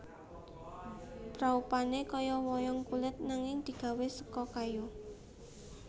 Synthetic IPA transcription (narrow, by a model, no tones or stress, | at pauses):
b̥ɾaupanekɔjɔwɔjɔŋkulɪt̪̚naŋɪŋd̪̥i̤ɡ̥ä̤wesə̥kɔkaju